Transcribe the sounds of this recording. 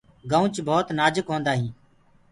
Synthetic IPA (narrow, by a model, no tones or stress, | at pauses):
ɡaũt͡ʃbʱoːt̪naːd͡ʒəkɦõːnd̪aːɦĩː